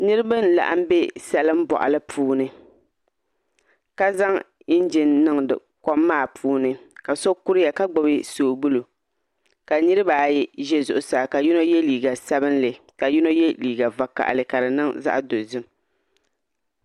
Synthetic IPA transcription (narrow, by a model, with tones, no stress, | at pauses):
nɨ˦ɾɨ˦ba˦n˦˨la̰˨ʔa̰˦m̩˦be˦sɛ˦lɨ˦m̩˦bɔ̰˨ʔa̰˨lɨ˦pʰuː˦nɨ˦ | ka˦za˦ŋ | i˦n˦d͡ʒɪ˦nːɨ˦ŋdɨ̰˨ | kɔ˦mːaː˦˨pʰuː˦nɨ˦ka˨so˦ku˦ɾɪ˦ja˨ka˦ɡ͡bɔ˨bɪ˦soː˨bu˦lu˨ | ka˨nɨ˦ɾɨ˦baː˨jʒɛ˦zʊ˨ʔʊ˨saː˨ka˨ji˦no˦jɛ˦liː˨ɡa˨sa˦bɨ˦nlɨ˨ | ka˨ji˦no˦jɛ˦liː˨ɡa˨va˨ka̰˨ʔlɨ˨ka˨ɾɨ˨nɨ˦ŋza̰˦ʔdo˨zɨ˦m